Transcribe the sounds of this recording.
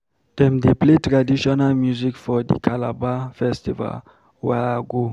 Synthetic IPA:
d̥ɛ̃mdepletɹadiʃɔnalmjuzikfɔd̪ḭkʰalabafɛstiva̰l | wɛaɡo

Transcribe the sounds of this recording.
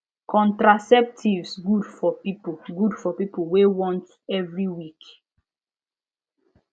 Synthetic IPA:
kʰɔ̃ntɹasɛp̚tʰivsɡudfɔpipɡudfɔpipolwewɔ̃nt | ɛvɹiwik

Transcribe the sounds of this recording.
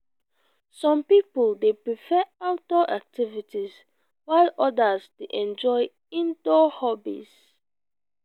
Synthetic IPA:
sɔ̃mpipɔldepɹifɛawtɔʔak̚tivitiz | waɪlɔdəsdeʔɛ̃nd͡ʒɔj | ĩndɔhɔbḭs

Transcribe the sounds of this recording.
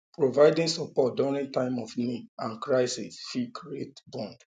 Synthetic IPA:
pɹovaɪdĩnsɔpɔt̚dɔɹĩntãɪ̃mɔfniãnkɹaɪsisfikietbɔ̃nd̥

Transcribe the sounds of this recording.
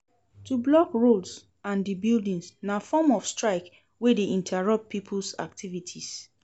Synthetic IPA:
tublɔkɹods | ãndibildĩŋsnafɔmɔfstɹaɪk | wedeʔĩntʰaɹʌp̚pʰːipʰlsa̰k̚tʰivitʰis

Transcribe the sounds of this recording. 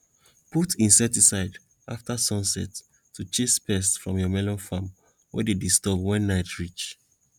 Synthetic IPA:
putĩnsɛtisaɪd | aftasɔ̃nsɛt | tʰut͡ʃespɛstfɹɔ̃mjɔmɛlɔ̃nfãm | wɛ̰dedistɔbwɛ̃nːaɪtʰɹit͡ʃ

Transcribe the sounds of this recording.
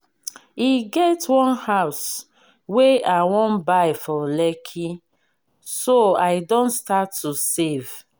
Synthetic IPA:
iɡɛtwɔ̃nhaws | weawõnbajfɔlɛkʰi | soaɪdõnstatʰːusev

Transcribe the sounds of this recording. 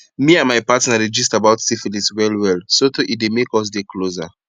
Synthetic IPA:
miãnmaɪpatnaɹid͡ʒistabaʊtsifiliswɛlwɛlsotoʔidemekɔs̬dekʰloza̰

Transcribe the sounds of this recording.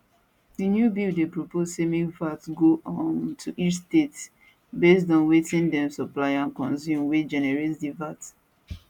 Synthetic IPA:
dinjubildepɹopozsemivatɡoʔɔ̃ntʰuʔisstets | bes̬dɔ̃nwetĩndɛ̃msɔplaɪãnkɔ̃nzjũmwed͡ʒɛnɛɹetdivat

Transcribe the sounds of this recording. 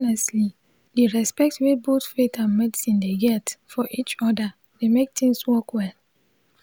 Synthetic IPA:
nɛstli | diɹɛspɛk̚twebotfetãnmɛdisĩndeɡɛtfɔʔit͡ʃɔda | demek̚tĩŋswɔkwɛl

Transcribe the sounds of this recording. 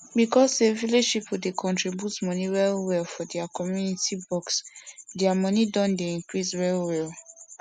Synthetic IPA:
bikɔseviloʃipudekʰɔ̃ntɹibjutmɔniɹɛlwɛlfɔdɛakɔmjunitibɔksdɛamɔnidɔ̃ndeĩŋkɹisɹɛlwɛl

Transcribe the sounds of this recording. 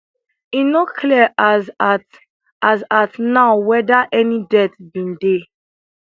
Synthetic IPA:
inokʰli | azatnaʊwɛdaʔɛnidɛtbĩnde

